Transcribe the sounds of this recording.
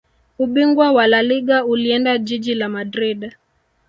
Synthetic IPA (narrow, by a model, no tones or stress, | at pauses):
uɓiŋɡwawalaliɠauliɛndad͡ʒid͡ʒilamadɾiɗ